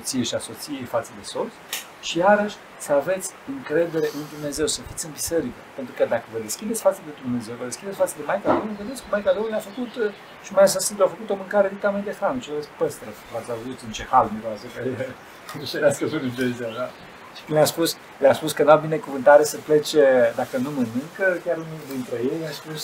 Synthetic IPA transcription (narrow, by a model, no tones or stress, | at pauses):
ot̪sieʃiaso̞t̪sijejfat̪səd̪e̞so̞t̪s | ʃijaɾəʃʲ | səave̞t̪sʲɨŋkɾe̞d̪e̞ɾe̞ʔɨnd̪umne̞ze̞wsəfit̪ʲɨnbiseɾikəpe̞nt̪ɾukəd̪akəvəd̪e̞skʲid̪et̪sʲfat̪səd̪e̞d̪umne̞ze̞wvəd̪e̞skid̪esʲfat̪səd̪e̞majkalonved̪et̪sʲkəmajkalonleafəkut̪ | ʃimajasəsɨnd̪afəkut̪o̞mɨŋkaɾed̪ikt̪amend̪e̞xɾanʃivespəst̪ɾəkt̪uat̪sʲauzut̪ɨnt͡ʃe̞halmiɾoasəkae | nuʃelaskəvɨnɨnt̪eziad̪a | ʃi̥kɨnlʲaspus | leaspuskənuabine̞kuvɨnt̪aɾesəplet͡ʃed̪akənumənɨŋkəkʲaɾɨnud̪int̪ɾejejlaspus